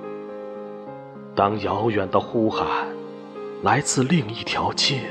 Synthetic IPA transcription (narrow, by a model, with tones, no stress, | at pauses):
t̪ɑ˧˥ŋjɑ˧˥ʊɥɛ˨˩nd̪ə˦˧xu˥xa˨˩˦ | la˧˥ɪt͡sɹ̩˥˧li˥˧ŋi˥˩t̪ʰjɑ˧˥ʊt͡ɕʰɛ˥˩